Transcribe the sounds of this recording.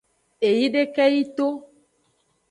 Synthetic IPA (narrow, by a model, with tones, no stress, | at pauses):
e˨ji˦ɖe˦kɛ˦ji˦t̪o˦